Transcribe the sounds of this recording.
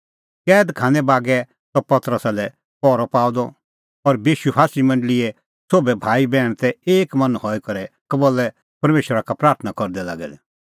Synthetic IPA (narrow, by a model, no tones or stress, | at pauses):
kɛːd̪kʰãːnɛ̃baːɡɛ | sɔpɐt̪ɾəsalɛ | pɔːɾɔpaːʊd̪ɔ | ɔɾbjiːʃupʰaːsimɐ̃ɳɖəlɪɛ | soːbɛbʱaːibɛːɽ̃t̪ɛeːkmɐ̃nhɔːikɐɾɛkɐboːlɛ | pɐɾmeːʃɾakapɾaːɾt̪ʰənakɔɾd̪ɛla̰ːɡɛ̰d̪ɛ